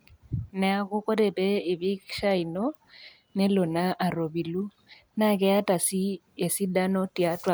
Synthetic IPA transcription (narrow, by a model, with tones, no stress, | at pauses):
nɛ˨a˦kʊ˦ko˦ɾe˨pɛ˦e˨βi˦kʃa˦i˨nɔ˦ | ne˦lo˨na˦ʔa˨ɾo˨bi˨lu˦ | na˦˨kɛ˦a˦ta˨si˦ | e˨si˦da˦nɔ˦ti˨a˦twa˨